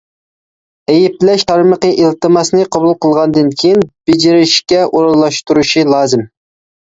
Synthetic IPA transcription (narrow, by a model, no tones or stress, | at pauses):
ejip̚lɛʃt̪ʰɑɾməqəʔilt̪ɨmɑsnɨqʰɑbulˠqəlˠʁɑnd̪ɨnkʲʰijinb̥ed͡ʒiɾɪʃkʲɛʔoɾɑlˠːɑʃt̪uɾuʃilˠɑːzɨm